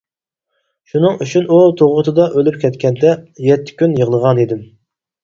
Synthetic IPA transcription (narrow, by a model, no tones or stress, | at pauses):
ʃunɨŋyt͡ʃʰynut̪ʰoʁʊt̪ʰɨd̪ɑʔølypkʲʰɛt̪kʲʰɛnd̪ɛjɛt̪ʰːɪ̥kʲynjəʁlˠəʁɑnid̪ɪm